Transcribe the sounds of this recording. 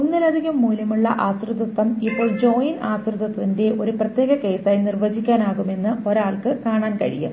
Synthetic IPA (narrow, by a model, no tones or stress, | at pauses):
unːilɐd̪ʱiɣɐmːuːljɐmuɭːɐ̰ʔaːsrɨd̪ɐt̪ːɐmipːo̞ːɭd͡ʑo̞ːjinaːsrɨd̪ɐt̪ːinde̞ʔo̞ɾuprɐt̪je̞ːɣɐke̞ːsaːjnirʋɐd͡ʑikʲːaːnaːɣume̞nːɨoɾaːɭkɨkaːɳaːnkɐ̰ɻḭjṵm